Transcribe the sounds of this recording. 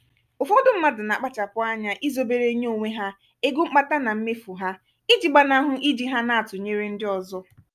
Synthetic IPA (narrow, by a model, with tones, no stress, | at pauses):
ʊ˨fo˦dʊ˦m̩˦ma˦dʊ˨na˨k͡pa˦t͡ʃa˨pʊ˦a˦ɲa˦ʔi˦zo˦be˨ɾe˦ɲe˦o˨ŋʷe˦ɦa˦ | e˦ɡu˦ŋ͡m̩˦k͡pa˦ta˦na˨m̩˦me˦fu˨ɦa˦ | i˦d͡ʒi˨ɡ͡ba˨na˨˦ɦʊ˦ʔi˦d͡ʒi˨ɦa˦na˨a˨tʊ˨ɲe˦ɾe˦n̩˦dɪ˦ɔ˨zɔ˦